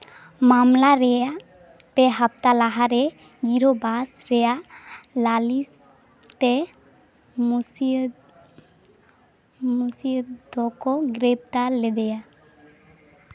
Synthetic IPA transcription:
mamlaɾɛja | peɦəp̚t̪alaɦaɾɛ | ɡiɾobasɾɛjalalis | t̪e | musi | musid̪ɔkɔɡɾeb̚t̪aɾled̪ɛja

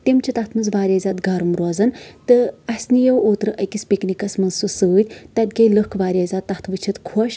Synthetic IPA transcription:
t̪emt͡ʃʰit̪ɐt̪ʰmɨnzʋaːɾʲaːzʲaːt̪ɡaːɾumɾɔːzɐnt̪ɨɐsʲnijɐwoːt̪ɾɨʔɐkispʲiknikɐsmɐnsɨsɨːt̪ʲt̪ɐt̪̚ɡʲɐjləhkʰʋaːɾʲaːzʲaːt̪ːɐht̪ʰʋɨt͡ʃʰɐt̪kʰɔʃ

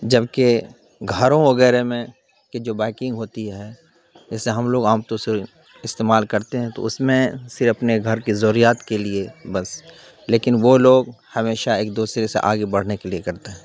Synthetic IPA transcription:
d͡ʒɐbke | ɡʱəɾõʋɐɣɛːɾemẽ | ked͡ʒoːbɛːɪkɪ̃ŋɡɦoːt̪iɦɛː | ɪseɦɐmloːɡaːmt̪õsɪɾ | ɪst̪eːmaːlkɐɾt̪eɦɛ̃t̪o̰ʊsmẽsɪɾɐpneɡʱɐɾkizɔːɾijaːt̪keliebɐs | leːkɪnʋoloːɡhɐmeːʃaeːk̚d̪uːsɾesḛʔaːɡebɐɽ̤nekeliekɐɾt̪eɦɛ̃ː

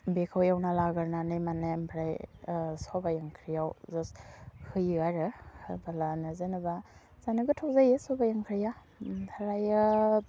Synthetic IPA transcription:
bekʰawjawnalaɡaɾnanɯjmanembʰɾajsɔbajaŋkʰɾijawzashɯjɯaɾɯhɯbalanɯzenɯba | z̥anɯɡɯtʰawzajesɔbajaŋkʰɾija | tʰaɾajɯ

